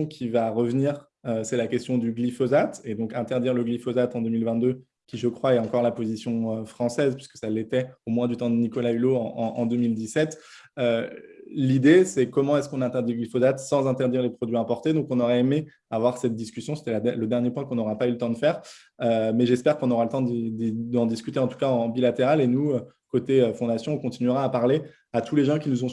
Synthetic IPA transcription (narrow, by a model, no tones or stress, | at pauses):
kʲʰivaʁəvniːʁ | øsɛlakʲɛst̪jɔ̃d̪yɡlifɔzat̪ed̪ɔ̃kɛ̃t̪ɛʁd̪iʁləɡlifɔzat̪ɑ̃d̪ømilvɛ̃t̪̚d̪ø | kʲiʒəkχwaɛɑ̃kɔʁlapozisjɔ̃øfχɑ̃sɛzpɥiskə̥sɛlːet̪ɛomwɛ̃d̪yt̪ɑ̃d̪ənikɔlayloɑ̃ʔɑ̃ʔɑ̃d̪ømild̪isɛt̪ | ø | lid̪esɛkɔmɑ̃ɛskɔ̃naɛ̃t̪ɛʁd̪iɡlifɔzat̪sɑ̃zɛ̃t̪ɛʁd̪iʁlepχɔd̪ɥiɛ̃pɔʁt̪ed̪ɔ̃kɔ̃nɔʁɛeme | avwaʁsɛt̪̚d̪iskʲysjɔ̃se̥t̪ɛlaɛləd̪ɛʁnjepwɛ̃kɔ̃nɔʁapaylət̪ɑ̃d̪əfɛːʁ | ømɛʒɛspɛʁkɔ̃nɔʁalət̪ɑ̃d̪id̪id̪ɑ̃d̪iskʲyt̪eɑ̃t̪u̥kaɑ̃bilat̪eʁalenuø | kot̪eøfɔ̃d̪asjɔ̃ɔ̃kɔ̃t̪inɥyʁaːpaʁle | at̪uleʒɑ̃kʲinuzɔ̃